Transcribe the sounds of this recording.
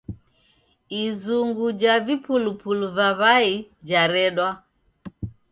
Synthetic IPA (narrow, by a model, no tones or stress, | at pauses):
izuŋɡud͡ʒavipulupuluvaβaid͡ʒaɾɛɗwa